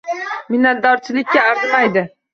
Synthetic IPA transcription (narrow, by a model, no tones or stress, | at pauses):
mɪnat̪̚d̪ɒɾt͡ʃʰɪlɪkʲːaaɾt̪majd̪ɪ